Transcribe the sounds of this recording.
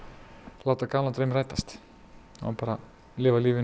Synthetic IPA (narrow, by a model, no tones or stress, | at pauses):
laːwt̪akaːlant̪ɾœmraːjt̪ast̪ | a̰paːɾa | lɪːvaliːvɪ